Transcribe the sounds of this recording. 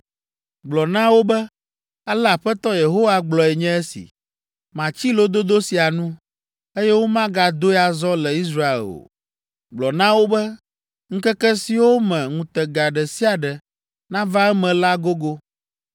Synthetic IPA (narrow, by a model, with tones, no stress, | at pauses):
ɡ͡blɔ˨nã˦wo˦bɛ˦ | a˦la˨ɸɛ˦t̪ɔ˦je˨ɦo˦wa˦ɡ͡blɔ˨ɛ˨ɲɛ̃˦ɛ˦sḭ˨ | mã˨t͡ɕi˦lo˦d̪o˦d̪o˦si˨a˨nũ˦ | e˦jɛ˦wo˦mã˦ɡa˨d̪o˦ja˨zɔ˦lɛ˨i˦s̬ɾa˦ḛ˨lo̰˨ | ɡ͡blɔ˨nã˦wo˦bɛ˦ | ŋ̩˦kɛ˦kɛ˦si˨wo˦mɛ̃˨ŋũ˨t̪ɛ˨ɡa˨ɖɛ˨si˦a˨ɖɛ˨ | nã˦va˦ɛ˦mɛ̃˨la˦ɡo˦ɡo˦